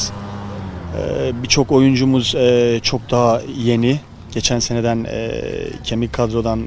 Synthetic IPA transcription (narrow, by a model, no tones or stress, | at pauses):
ɛ̰bit͡ʃʰo̞ko̞jund͡ʒumuzɛːt͡ʃʰo̞k̚d̪aɦaje̞ni | ɟ̥e̞t͡ʃʰænse̞ne̞d̪ænɛ̰cʰe̞mikʰad̪ɾo̞d̪an